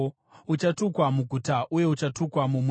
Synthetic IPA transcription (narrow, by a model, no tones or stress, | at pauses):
ut͡ʃatukwamuɡʱutaʔuje̞ut͡ʃatukwamum